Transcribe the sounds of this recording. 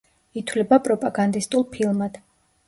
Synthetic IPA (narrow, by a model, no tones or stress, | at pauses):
it̪ʰwlɛbapʼɾɔpʼaɡand̪ist̪ʼulˠpʰilˠmad̪̥